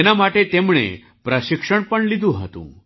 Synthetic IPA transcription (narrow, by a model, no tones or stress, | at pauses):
enamaʈet̪emɭ̃ḛ | pɾəɕikʂəɳpəɳlid̪ũɦə̰t̪ṵ̃